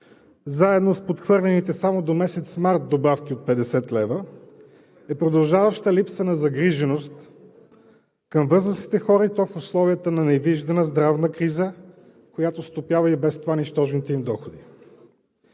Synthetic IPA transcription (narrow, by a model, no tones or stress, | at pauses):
zaɛd̪nospot̪xvɤɾlʲɛnit̪ɛsamod̪omɛsɛt̪smaɾt̪̚d̪obafk̟ʲiot̪̚pɛd̪ɛsɛt̪lɛvə | ɛpɾod̪ɐlˠʒavəʃt̪əlipsənɐzɐɡɾiʒɛnost̪ | kəmvɤzɾəsi̥t̪ɛxɔɾəit̪ɔfʊslˠɔviət̪ənɐnɛviʒd̪ɐnəzd̪ɾavnəkɾizə | kojat̪ost̪opjavəibɛst̪ovaniʃt̪ɔʒnit̪ɛimd̪ɔxod̪i